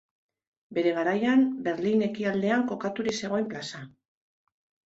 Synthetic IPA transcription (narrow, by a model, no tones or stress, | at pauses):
be̞ɾe̞ɣ̞aɾajambe̞ɾline̞kiald̪e̞aŋko̞kat̪uɾise̞ɣ̞o̞jmplasa